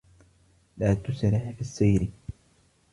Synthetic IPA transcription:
laːt̪ʊsɾɪħfisˤːɑːɾɪ

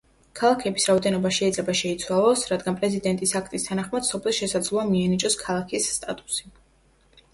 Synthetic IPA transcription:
kʰalˠakʰɛbisɾaɔd̪ɛnɔbaʃɛid̪zlɛbaʃɛit̪sʰwalˠɔsɾad̪ɡanpʼɾɛzid̪ɛnt̪ʼisakʰt̪ʼist̪ʰanaχmad̪̥sɔpʰlɛlˠʃɛsad̪zlˠuamiɛnit͡ʃʼɔskʰalˠakʰisːt̪ʼa̰t̪ʼu̥si

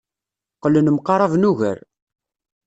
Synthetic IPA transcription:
qːələnəmqɑɾˤɑvnuʝə̰ɾ

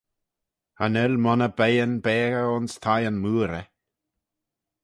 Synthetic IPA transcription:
hanɪlmɔnəbejənbɛːɣəʊnst̪ʰajənmuːɾə

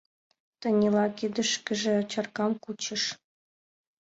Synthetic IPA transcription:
t̪ɤ̆nʲilˠɑkid̪ɘ̆ʃkɘ̆ʒĕt͡ɕɑrkɑmkut͡ɕɤ̆ʃ

